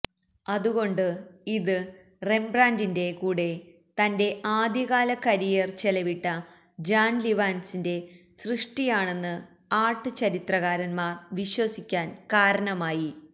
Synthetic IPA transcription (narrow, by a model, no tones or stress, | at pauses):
ɐðuɣo̞ɳɖɨiðɨ | re̞mbraːndinde̞kuːɽe̞ | t̪ɐnde̞ʔaːd̪jɐɣaːlɐkɐɾijɐrt͡ɕe̞lɐʋiʈːɐ | d͡ʑaːnliʋaːnsinde̞ | srɨʂʈijaːɳe̞nːɨ | aːʈːɨt͡ɕɐɾit̪rɐɣaːɾɐnmaːrʋiɕwɐsikʲːaːnkaːɾɐɳɐmaːji